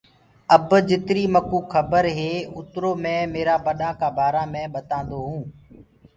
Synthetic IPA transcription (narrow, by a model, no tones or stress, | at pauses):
əbd͡ʒɪt̪ɾiːməkuːkʰːəbəɾɦeːʊt̪ɾoːmɛ̃ːmeːɾaːbəɗãːkaːbʱaːɾãːmẽːɓət̪ãːnd̪oːɦũː